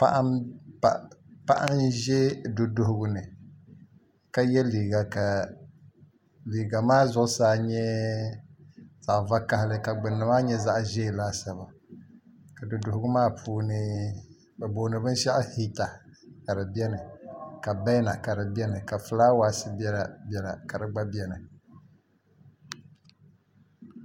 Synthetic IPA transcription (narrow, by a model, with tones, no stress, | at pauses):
pa̰˦ʔpa˨pa˦ʔa˦nʒɛ˦do˨dʊ˨hʊ˨ɡʊ˨nɨ˨ | ka˦jɛ˦liː˨ɡa˨ka˨ | liː˨ɡa˨maː˦zʊ˦ʊ˦saː˨˦˨ɲɛ˦ | z̥a˨ʔva˦ka˨hɪ˦lɨ˦ka˨ɡ͡bɨ˨nːɨ˨maː˦ɲɛ˦za˦ʔʒe˦˨laː˦sa˨βa˨ | ka˨dɨ˨dʊ˨hʊ˦ɡʊ˦maː˦pʰuː˦nɨ˦ | bɛ˨boː˨˦nɨ˨bɨ˦n˦ʃa˦ʔhi˦ta˨ka˨ɾɨ˨bi˦ɛ˦nɨ˨ka˨bɛ˦jna˨ka˨ɾɨ˨bɛ˦nɨ˨ka˨fɨ˨laː˦waː˦sɨ˦bi˦ɛ˦la˨bɛ˨la̰˨ka˨ɾɨ˨ɡ͡ba˦bi˦ɛ˦nɨ˨